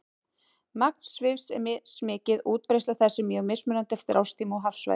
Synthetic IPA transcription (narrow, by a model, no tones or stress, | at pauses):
mak̚n̥svɪvsɛ̰mɪsmɪːcɪðuːt̪̚pɾejst̪aθɛsːɪmjœɣmesmʏnant̪ɛft̪ɪɾʔawst̪ʰiːmaɔɦafsva̰